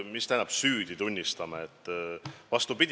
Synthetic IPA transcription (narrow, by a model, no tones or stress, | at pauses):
mist̪æjnɑb̥syːd̪̥it̪unʲːist̪ɑmɑet̪ˑːvɑst̪upid̪ʲ